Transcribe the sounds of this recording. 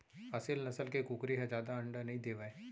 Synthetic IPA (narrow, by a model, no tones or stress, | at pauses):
ɐsɪlnɐsəlkekuːkɾeɦɛ̃d͡ʒaːd̪aɐ̃ɳɖənɐɦĩd̪eːʋaeː